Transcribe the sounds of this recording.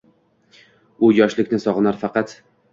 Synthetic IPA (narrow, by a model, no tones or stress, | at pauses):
ʊjɒʃlɪkʲnɪsɒʁɨnaɾfɑqɑt̪